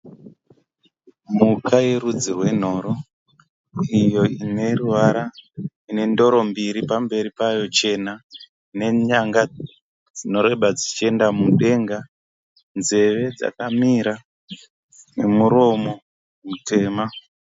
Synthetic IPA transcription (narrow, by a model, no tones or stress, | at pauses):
mukʰaje̞ɾud͡zirwe̞n̤o̞ːɾo̞ | ijo̞ine̞ruʋaɾa | ine̞ndo̞ɾo̞mbiɾipambe̞ɾipajo̞t͡ʃe̞na | ine̞ɲaŋɡa | d͡zino̞ɾe̞ɓad͡zit͡ʃie̞ndamuɗe̞ŋɡa | nze̞ʋe̞d͡za̰kamiɾa | nemuɾo̞mo̞ | mutʰe̞ːma